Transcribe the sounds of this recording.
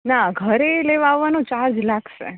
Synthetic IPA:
naɡʱəɾeleʋaʋːanõt͡ʃaɾd͡ʒlakʰʃḛ

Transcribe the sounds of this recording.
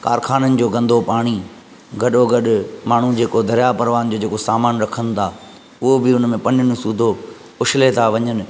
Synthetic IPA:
ka̰ːɾkʰaːnənɪ̆d͡ʑoːɡɐ̃nd̪ʱopaːɽ̃i | ɡɐɗoɡɐɗʊmaːɳ̤ud͡ʑeːkod̪ʱɐɾɪjapɐɾʋaːnd͡ʑoːd͡ʑeːkosaːmaːnɾɐkʰənɪ̆t̪ʰaː | ʊɦobɪʊn̤əmẽpɐnʊnɪ̃suːd̪ʱo | ʊʃɪlet̪ʰaʋɐɲənɪ̆

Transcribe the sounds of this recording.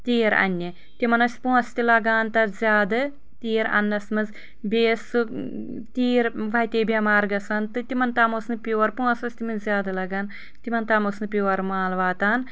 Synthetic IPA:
t̪iːɾɐ̰nʲːɐ | t̪ʲimɐnɐsʲpũːɐst̪ilɐɡaːnt̪ɐɾzʲaːd̪ɨ | t̪iːɾɐ̰nːɐsmɨz | bʲeːsɨ | t̪ʲiːɾʋɐjt̪ʲeːbʲɐmaːɾɡɐsaːnt̪ɨt̪imɐnt̪aːmosnɨpʲjuːɐɾpũːɐsɐsʲt̪imɐzʲjaːd̪ɐlɐɡaːn | t̪imɐnt̪aːmosnɨpʲuːɐɾmaːlʋaːt̪aːn

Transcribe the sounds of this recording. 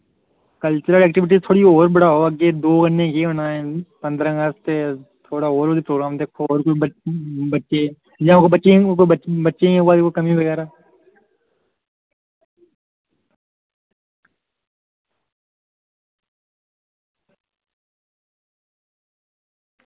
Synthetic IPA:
kəlt͡ʃəɾəlɛːk̚ʈɪʋɪʈ̬izt̪ʰoːɽioːɾbəɽaːɦoːəɡeːd̪oːɡəɳẽːkeʊnaːẽːpə̃nd̪ɾə̃ɡəst̪et̪ʰoːɽaːɦoːɾd̪ipɾoːɡɾaːmd̪eːkʰooːɾko | bətːʃeː | jãːkobət͡ʃekobətːʃẽẽoaːd̪eːkʰokəmĩʋəɣɛːɾaː

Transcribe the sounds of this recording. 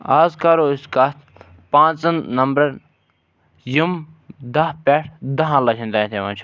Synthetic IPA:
aːzkaːɾoiskaːt̪ | pãːt͡sɐnnɐmbɾɐɾ | jim | d̪ɐɦpeːʈʰd̪ɐɦãlɐt͡ʃʰĩnd̪ãːt̪ʰeʋɐ̃t͡ʃʰ

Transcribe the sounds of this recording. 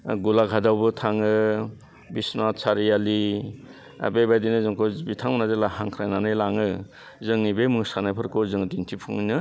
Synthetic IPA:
ɡulaɡʰʱadawbɯtʰaŋɯ | bisnasʰaɾijali | a̰bebajdinɯzɯŋkʰɔbitʰaŋmunazelahaŋkʰɾajnanɯjlaŋɯ | zɯŋnibemɯŋsanɯpʰɯɾkʰozɯŋdintʰipʰuŋnɯ

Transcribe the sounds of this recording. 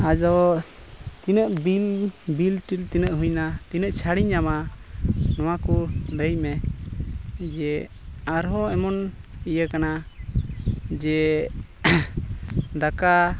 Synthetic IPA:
ad͡ʒɔ | t̪inəʔbilbilʈilt̪inəʔɦũɲnat̪inəʔt͡ʃʰaɽiɲːama | nɔwakuləjmɛ | d͡ʒɛ | aɾɦɔɛmɔnijəkana | d͡ʒɛ | d̪aka

